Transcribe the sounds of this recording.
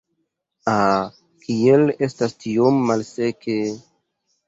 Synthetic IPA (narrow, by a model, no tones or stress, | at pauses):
a | kʰiele̞stastiomːalseke